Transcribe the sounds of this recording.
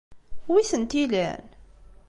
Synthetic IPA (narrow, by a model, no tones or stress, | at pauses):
wiθənt̪ilæ̰n